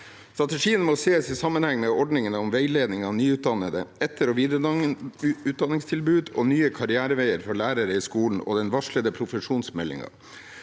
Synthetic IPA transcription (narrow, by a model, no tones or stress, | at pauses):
st̪ɾɑt̪əʂiːənmɔseːsɪsɑmːənhɛŋːmɛɔɖɳɪŋənɔmʋeɪleːd̪nɪŋɑnyːʉːt̪̚d̪ɑnəd̪əɛt̪ʰːəɾɔʋiːd̪ | ʉːt̪̚d̪ɑnːɪŋst̪ʰɪlbʉːd̪onyːəkʰɑɾɪæːɾəʋeɪəɾfɔɭæːɾəɾəɪskuːln̩ɔ̰ːd̪ɛnʋɑʂɭəd̪əpʰɾʊfəʂuːnsmɛlɪ̰ŋɑ̰